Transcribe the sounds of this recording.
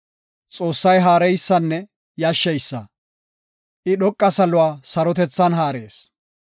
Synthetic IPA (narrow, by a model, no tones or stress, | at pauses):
t͡sʼo̞ːsːɐjɦaːɾɛjsːɐnːɛ | jɐʃːɛjsːɐ | ʔɪɗɔkʼːɐsɐlʊwaːsɐɾɔt̪ɛt͡sːɐnɦaːɾeːs